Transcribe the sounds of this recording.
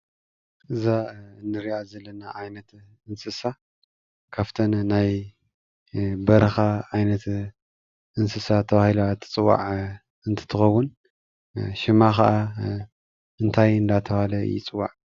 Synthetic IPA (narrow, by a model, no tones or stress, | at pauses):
ʔɨzanːɨɾiazɐlːɐnaʕajnɐt̪ | ɨnsɨsa | kʰaft̪ʰɐnːaj | bɐɾɐxaʕajnɐt̪ | ʔɨnsɨsat̪ʰɐβahilat̪ʰɨ̥t͡sʼɨwːa̰ʕ | ɨnt̪ʰɨ̥t̪ʰɨxɐwːʊn | ʃɪmaxɐʔa | ɨnt̪ʰajɨnd̪at̪ʰɐβahalɐ̰jɪ̰t͡sʼɨwːa̰ʕ